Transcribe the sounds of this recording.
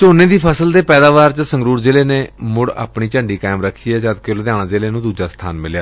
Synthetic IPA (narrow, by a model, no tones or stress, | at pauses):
t͡ʃoːnẽːd̪iːpʰəsəld̪eːpɛːd̪aːʋaːɾt͡ʃsə̃ŋɡɾuːɾd͡ʒɪːleːneːmʊɽa̰ːpɳiːt͡ʃəɳɖiːkaːɪmɾəkʰːiːɛːd͡ʒad̪keld̪ɪjãːnãːd͡ʒeːleːnũːd̪uːd͡ʒaːst̪ʰa̰ːnmɪljaː